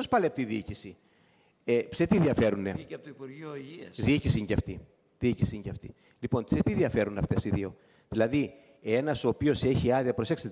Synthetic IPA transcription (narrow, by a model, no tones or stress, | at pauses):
ospɐleɐpot̪iðiicisi | epse̞t̪iðiɐfe̞ɾunet̪oipuɾoiɐsðiicisiɲceɐft̪i | ðiicisiɲceɐft̪i | lipo̞nset̪iðiɐfe̞ɾunɐft̪e̞siðio̞ | ðilɐði | e̞nɐsoːpio̞se̞çiɐðiɐpɾo̞se̞kst̪